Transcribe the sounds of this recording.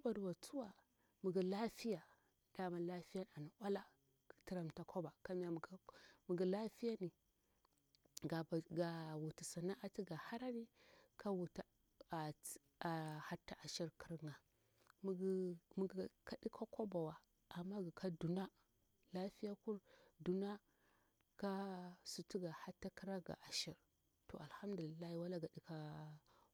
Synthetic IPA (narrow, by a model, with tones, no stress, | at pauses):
a˦ba˨dwa˨t͡su˦wa˨ | mu˨ɡi˨la˦fi˦ja˨ | d̥a˨ma˨la˦fi˦ja˦n˨a˨na˨wʷa˦la˦˨ | ti˨˦ɾa˨m˨ta˨kʰo˦ba˨ka˦mi˦ja˦˨ɡmu˨ɡi˨la˦fi˦ja˦ni˨ | ɡa˨bɡa˨wu˨ti˨sa˨na˦ʔa˨ti˦ɡa˨ha˦ɾa˦ni˦kʰa˦wu˨t | a˨ | a˨ha˦tːa˦ʔa˨ʃi˦ɾki˦ɾŋa˨ | m˦mu˦ɡka˦ɗi˦kʰa˦ko˦ba˨wa˨ | a˨mːa˦ɡi˨kʰa˦du˨na˦ | la˦fi˦ja˦ku˦ɾdu˨na˦ | ka˦su˨ti˦ɡa˨ha˦tːa˦ki˦ɾa˦ɡa̰˨ʔa˨ʃi˨ɾ | to̰˨ʔa˨lha˦mdu˨li˨lːa˦hi˦˨wa˦la˦ɡa˨di˦ka˦